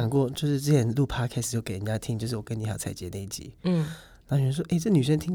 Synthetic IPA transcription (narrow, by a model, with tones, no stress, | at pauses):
ŋkwɔ˥˧t͡ɕjo˥˧ʊʂɻ̩˥˧ʈ͡ʂɤ˥˧t͡ɕʰjɛ˧˥˦nlu˥˧pʰa˥kʰɛ˥sjo˥˩ʊke˨˦˩ə˧˨nt͡ɕja˦˥t̪ʰi˧˥ŋt͡ɕo˥˧ʊʂ̬ɻ̩˥˩wɔ˨˩kə˦˥ni˧˥ja˨˩˦t͡sʰa˧˩ɪt͡ɕjɛ˧˥ne˥˧˩i˥˩t͡ɕḭ˧˥˦ | na˧˥˨o˥˩ʂɔ˥ʔe˥˩ɪʈ͡ʂɤ˥˩˨ny˨˩ʂə˥˧nt̪ʰi˥ŋ